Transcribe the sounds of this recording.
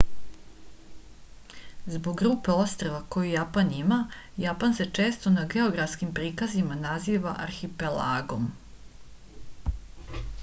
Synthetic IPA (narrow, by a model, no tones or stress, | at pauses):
zbo̞ɡɡɾuːpe̞o̞st̪ɾeʋako̞jijapanima | japanse̞t͡ʂe̞ːst̪o̞naɡe̞o̞ɡɾafskimpɾiːkazimanaziːʋaʔaɾxipela̰ːɡo̞m